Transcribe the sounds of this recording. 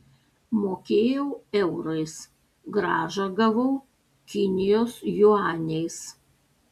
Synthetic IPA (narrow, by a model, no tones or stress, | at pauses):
moːkʲeːjɛʊɛʊɾɐɪs | ɡɾɑːʒɐɡɐʋɐʊ | kʲɪnʲɪjoːsjʊɑːnʲɛɪs